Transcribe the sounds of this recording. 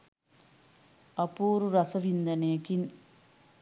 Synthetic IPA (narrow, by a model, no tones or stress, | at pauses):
ɐpuːɾuɾɐsɐʋind̪ɐnejɐkin